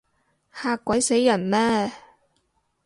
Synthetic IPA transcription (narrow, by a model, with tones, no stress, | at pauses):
haː˧kːʷɐ˨˥jse˨˥jːɐ˨˩nmɛː˥